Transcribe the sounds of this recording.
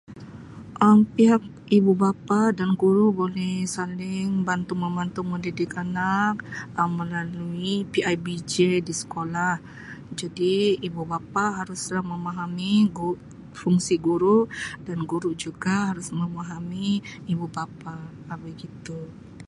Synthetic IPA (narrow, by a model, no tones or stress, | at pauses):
ʔəmpiɦak̚ | ibubapadanɡuɾubolɛhsalɪŋbant̪uməmbant̪uməndidɪkanak̚əmːəlaluipiajbid͡ʒedisə̥kolah | d͡ʒadiibubapaɦaɾʊslahməmaɦamiɡu | fuŋsiɡuɾuʔdanɡuɾuʔd͡ʒuɡaɦaɾʊsməmaɦamiːbubapaː | baɡit̪u